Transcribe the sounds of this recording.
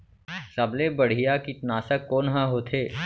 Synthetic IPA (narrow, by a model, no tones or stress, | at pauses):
sɐblebɐɽ̤ijakit̪naːsəkːoːnɦãɦoːt̪ʰeː